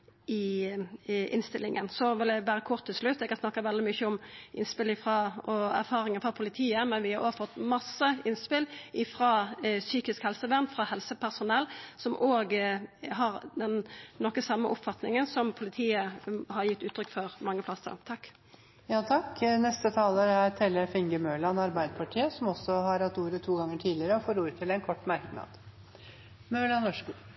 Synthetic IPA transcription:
ɪ | ʔɪ̰nst̪ɪlɪŋʔənsɔʋɪld̪ɛʋæːɾəkʰʊʁt̪ʰːɪlslʉt̪ːɛɡhɑsnɑkːɑʋɛld̪ɪmʏçːəʊmʔɪnspɪlɪfʁɑːɔæ̰ɾfɑːɾɪŋənfɑpʰʊlɪt̪ʰiːəmɛnʋɪhɑɾʔoːɡfɔt̪ːmɑsːəɪnspɪlʔɪfɾɑːsyːkɪskhɛlsəʋæʁnfɾɑhɛlsəpʰæʁsʊnɛlːsɔmʔoːɡɦɑɾd̪ɛnnɔkːəsɑmːə̰ʔʊpfɑt̪nɪ̰ŋənsɔmpʰʊlɪt̪ʰiːəhɑɾjɪt̪ːʉːt̪ɾʏkːfɔʁmɑŋːəpʰlɑst̪ə̰ɾt̪ʰɑkː | jɑːt̪ʰɑkːnɛst̪ət̪ʰɑːləɾæɾt̪ʰɛlːəfɪŋɡəmøːlɑnɑɾbæɪd̪əpʰɑʈʰiːəsɔmɔsːɔɦɑɾhɑt̪ːuːɾət̪ʰuːɡɑŋːəʈʰiːd̪lɪəɾəɔfoːɾuːɾət̪ʰɪlɛnkʰɔʈːmɑɾknɑ̰ːd̪̥ | møːlɑnɔʂkuː

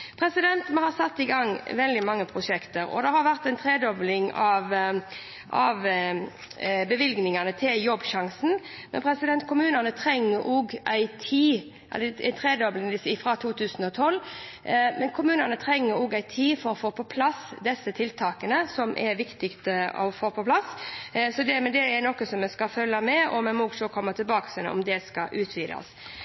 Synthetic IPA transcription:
pʰɾɛsɪd̪ɛnt̪mɛhɑsɑt̪ːɪɡɑŋːʋɛld̪ɪmɑŋːəpʰʁʊʂɛkt̪əɾɔ̰d̪ɛhɑɾʋæʁt̪æɪnt̪ʰɾeːd̪ɔblɪŋɑʋ | ʔɑʋ | bəʋɪlɡnɪŋɑnət̪ʰɪljɔbːʃɑŋsn̩mɛnpʰɾɛsɪd̪ɛnt̪̚kʰʊmʉːnɑnət̪ʰɾɛŋːəɾʔuɡæɪt̪ʰiː | ɛ̰læ̰ɪnt̪ʰʁeːd̪ɔblɪŋd̪ɪsfʁɑt̪ʰuːt̪ʰʉːsn̩ɔt̪ʰɔl | mʔɛnkʰʊmʉːnɑnət̪ʰɾɛŋːəɾuɡæɪt̪ʰiːfɔɾɔfoːpʰɔpʰlɑsd̪ɛsːət̪ʰɪlt̪ʰɑːkənəsɔmʔɛ̰ɾʋɪkt̪ɪkt̪əɔ̰foːpʰɔpʰlɑssɔd̪ɛmɛd̪ɛːɾnɔkːəsɔmɛskɑfœlːɑmɛɔmɛmɔɡsɔkʰɔmːət̪ʰɪlbɑːksɛnə̰ɔ̰md̪ɛskɑ̰ʔʉːt̪ʰʋiːd̪ɑ̰s

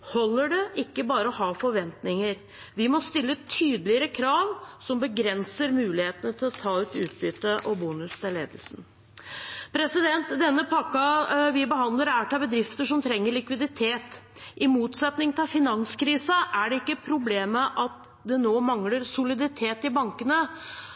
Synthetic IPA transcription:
hɔlːəɖɛɪkːəbɑːɾəɔɦɑːfɔɾʋɛnt̪nɪŋəɾ | ʋɪmɔst̪ɪlːət̪ʰyːd̪əlɪəɾəkʰɾɑːʋsɔmbəɡɾɛnsəɾmʉːlɪheːt̪ənət̪ʰɪlɔt̪ʰɑːʉːt̪ʉ̰ːt̪̚bʏt̪ːəʔɔbuːnʉst̪ʰɪlːḛːd̪əlsn̩ | pʰɾɛsɪd̪ɛnt̪d̪ɛnːəpʰɑkːɑʋɪbəɦɑnd̪ləɾæːʈɑbəd̪ɾɪft̪əʂɔmt̪ʰɾɛŋːəɭɪkʋɪd̪ɪt̪ʰeːt̪ʔɪmuːt̪sɛt̪nɪŋt̪ʰɑlfɪnɑnskɾiːsɑʔæɖɛɪkːəpʰɾʊbleːməʔɑt̪ | d̪ɛnoːmɑŋləɾsʊlɪd̪ɪt̪ʰeːt̪ɪbɑŋkənə

